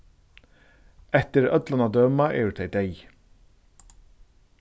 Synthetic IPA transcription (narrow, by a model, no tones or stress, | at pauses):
ɛt̪ɪɾœt̪lanad̪œːmaʔɛ̰ːʉɾt̪ʰeɪd̪eɪ